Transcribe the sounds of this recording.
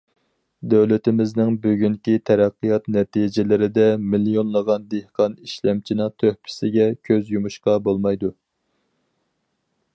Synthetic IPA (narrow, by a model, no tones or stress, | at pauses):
d̪æwlɪt̪ɪmɪznɪŋbøɡʲyŋkʲit̪ʰɛɾæqːijɑt̪nɛt̪ʰid͡ʒɪlɪɾɪd̪ɛmilijonlˠəʁɑnd̪ehqɑniʃlɛmt͡ʃʰinɨt̪ʰøhpʰɪ̥sɪɡʲɛkʲʰøzjumuʃqɑbolˠmɑjd̪u